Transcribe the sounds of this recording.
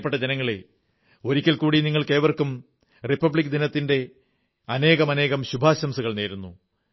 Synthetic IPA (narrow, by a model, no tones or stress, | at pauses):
pːeʈːɐd͡ʑenɐŋːɐɭe | o̞ɾikʲːɐlkuːɽiniŋːɐɭke̞ːʋɐrkum | ripːɐbɭikʲːd̪inɐt̪ːinde̞ | ɐne̞ːɣɐmɐne̞ːɣɐmɕubʱaːɕɐmsuɣɐɭne̞ːɾunːu